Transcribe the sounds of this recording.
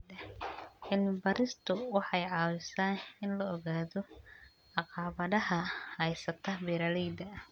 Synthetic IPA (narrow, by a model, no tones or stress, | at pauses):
ɐʔɪnbɐɾɪst̪ʰʊwɑħɑjʕɑːwɪsaːnɪnlɐːɣaːðɔ | ʕɑqɑːβɐðɐɦɐhɐjsɐt̪ʰɐbɛɾɐlɛjd̪ɐ